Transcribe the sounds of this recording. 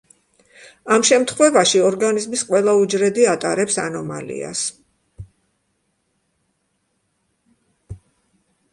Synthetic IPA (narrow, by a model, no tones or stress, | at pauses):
amʃɛmt̪ʰχwɛvaʃiɔɾɡanizmisqʼwɛlˠaud͡ʒɾɛd̪iat̪ʼaɾɛpsa̰nɔma̰lḭa̰s